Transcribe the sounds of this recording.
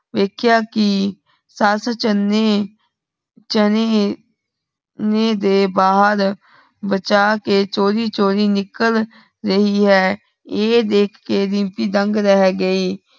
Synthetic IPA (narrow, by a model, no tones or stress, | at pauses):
ʋeːkʰjaːkɪ | səst͡ʃəne | t͡ʃəne | neːd̪eːbaːɦəɾ | bət͡ʃaːkeːt͡ʃoːɾiːt͡ʃoːɾiːnɪkəl | ɾəɦiːɦɛː | eːd̪eːkʰːeːɾɪ̃ːmpiːd̪ə̃ŋɡɾɛɦɡəiː